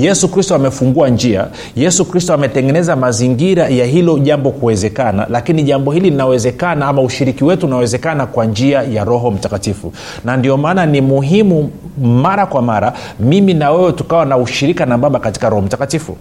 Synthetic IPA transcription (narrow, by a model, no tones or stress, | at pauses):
jɛsukɾistɔamɛfuŋɡuand͡ʒia̰ | jɛsukɾistɔamɛtɛŋɡɛnɛzamaziŋɡiɾajaɦilɔʄambɔkuwɛzɛkana̰lakiniʄambɔhililinawɛzɛkanaamauʃiɾikiwɛtuːnawɛzɛkanakwand͡ʒiajaɾɔɦɔm̩takatifṵ | nandiɔmaːnanimuɦimu | maɾakwamaɾa | miminawɛwɛtukawanauʃiɾikanaɓaɓakati̥kaɾɔhɔm̩takatifṵ